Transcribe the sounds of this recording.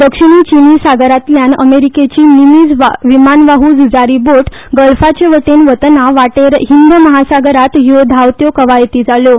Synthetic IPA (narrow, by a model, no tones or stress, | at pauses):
d̪əkʂiɳit͡ɕinisaɡəɾat̪ljanə̰meɾiket͡ɕiːnimid͡zʋaʋimanʋaɦud͡zud͡zaɾiboʈ | ɡəlfat͡ɕeʋəʈenʋət̪naʋaʈeɾɦind̪əməɦasaɡəɾat̪jod̪ʱaʋt̪jokəʋajt̪iːd͡zalo